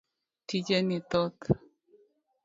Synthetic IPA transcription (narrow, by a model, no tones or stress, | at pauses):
tid͡ʒenit̪ot̪